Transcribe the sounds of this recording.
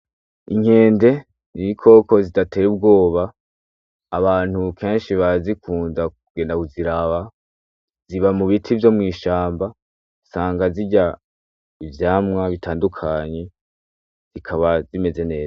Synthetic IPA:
iŋ̥e̞ːnde̞ | niikʰo̞ːko̞zidate̞ːɾub̚ɡo̞ːβaː | βaːn̥hukʰe̞ːnʃiβazikʰuːnzakuɡ̥e̞ːndakuziɾaβa | z̥iβamuβitʰivjo̞mŋiːʃaːmba | saːŋɡaziɟa | ivjaːmŋaβitʰaːndukʰaɲe̞ | z̥ikʰaβazime̞ze̞ne̞ːza

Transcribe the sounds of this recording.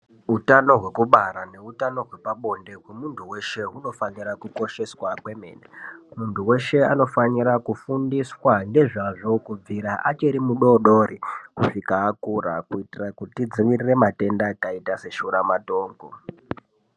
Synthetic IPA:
ɦutano̞ɦwe̞kuɓaɾane̞utano̞ɦwe̞paɓo̞nde̞kwemuntʰuwe̞ʃe̞ɦuno̞faniɾakuko̞ʃe̞swakwe̞me̞̰ːnamuntuwe̞ʃe̞ano̞faniɾakufundiswaŋɡe̞ʐaʐo̞kub͡viɾaʔat͡ʃeɾimuɗo̞ɗo̞ɾikuʂikaːkuɾa̰kuitirakutid͡ziʋirire̞mate̞ndakaitase̞ʃuɾamato̞ːŋɡo

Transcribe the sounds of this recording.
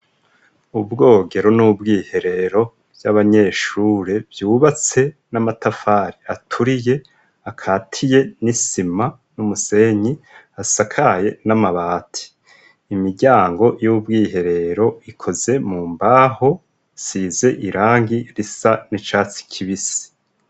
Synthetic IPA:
ubɡo̞ːɡe̞ɾo̞nubɡiːhe̞ɾe̞ɾo̞ | bjaβaɲe̞ʃuːɾevjuːβat͡se̞namatafaːɾiatʰuɾije̞ | akʰatʰije̞nisima | numuse̞ɲi | asakʰaje̞namaβaːtʰi̥ː | miɟaːŋɡo̞jubɡiːɦe̞ɾe̞ɾo̞ikʰo̞ze̞muːmbaho̞ | size̞ʔiɾaːŋɡiɾisanit͡ʃaːt͡si̥kʰiβisi̥

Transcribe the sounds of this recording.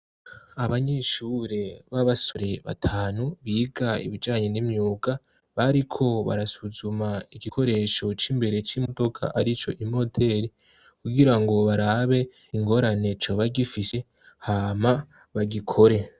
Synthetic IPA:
aβaɲeʃuɾeβaβasoɾe̞βa̰tʰaːnuβiːɡaḭβid͡ʒaːɲe̞nimɲuːɡa | βaɾikʰo̞βa̰ɾasuzumaiɡikʰo̞ɾe̞ʃo̞t͡ʃiːmbe̞ɾe̞t͡ʃimodo̞kʰa̰ʔaɾit͡ʃo̞̰ʔimo̞de̞ɾi | kuɡiɾaŋɡo̞βaɾaβe̞ | iŋɡo̞ɾane̞t͡ʃoβaɡifiʃe̞ | haːma | βaɡikʰo̞ɾe̞

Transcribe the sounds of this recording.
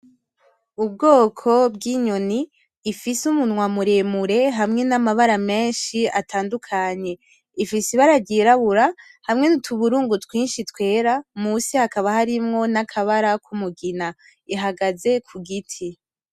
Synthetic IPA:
ubɡo̞ːkʰo̞bɡiːɲo̞niː | fisumunŋwamuɾeːmuɾe̞ɦamŋe̞namaβaɾame̞ːnʃiatʰaːndukʰaɲe̞ | ifisiβaɾaɟiːɾaβuɾa | hamŋe̞nutʰuβuɾuːŋɡutwiːnʃitwe̞ːɾamusihakaβahaɾimŋo̞nakʰaβaɾakʰumuɡina | iɦaɡaze̞kʰuɡitʰi

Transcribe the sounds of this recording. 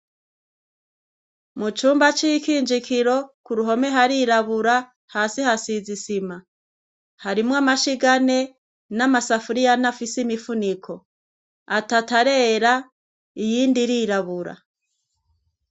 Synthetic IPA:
mut͡ʃuːmbat͡ʃiikiːnd͡ʒikiɾo̞kuɾuɦo̞me̞ɦaɾiɾaβuɾa | haːsihasizisima | haɾimŋamaʃiɡane̞ | namasafuɾijanafisimifunikʰo̞ | atataɾe̞ːɾa | ijiːndiɾiɾaβuɾa̰

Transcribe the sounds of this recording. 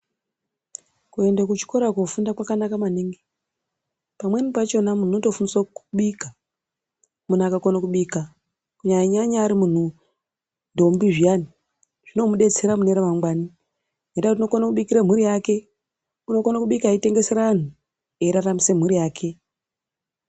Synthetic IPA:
kue̞ndek̬ut͡ʃi̥ko̞ɾakufundakwakanakamaniːŋɡe | pamwe̞nipat͡ʃe̞namun̤uoto̞funiswouɓiːka | munakakonakuɓiːka | kuɲaiɲaɲaːɾimun̤u | ndombiʐijani | ʐ̥ino̞muɗe̞t͡se̞ɾamuneɾemaŋɡwani | netakut̬ino̞konakuɓikiɾam̤uɾijaːke̞ | uno̞konakuɓikaeite̞ŋɡe̞se̞ɾaan̤u | eiɾaramisem̤uɾijaːkʰe̞

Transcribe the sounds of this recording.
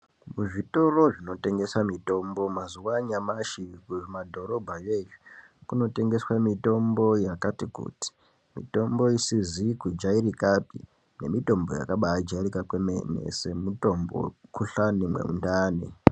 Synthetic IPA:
muʐito̞ro̞ʐino̞te̞ŋɡe̞samito̞mbo̞mazuwaɲamaʃikuʐmadʱo̞ɾo̞bʱajeju | kuno̞te̞ŋɡe̞swamito̞mbo̞jakatikṵti̥ | mḭto̞mbo̞isizikud͡ʒaiɾikapḭ | ne̞mito̞mbo̞̰ja̰kaɓaad͡ʒairikakwemḛnḛse̞muto̞mbo̞̰kuɬanimwe̞̰mṵndaːni

